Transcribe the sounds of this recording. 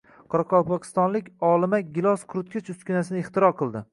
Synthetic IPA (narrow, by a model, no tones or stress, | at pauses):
qʰɒɾɑqʰɒwˠpɒqʲʰɪ̥st̪ɒnlɪkʲɒlˠɪmaɡʲɪlˠɒsqʰʊɾʊt̪kʲɪt͡ʃʊskʲɪnasɪnɪɪχt̪ɪɾɒqʰɨlˠd̪ɪ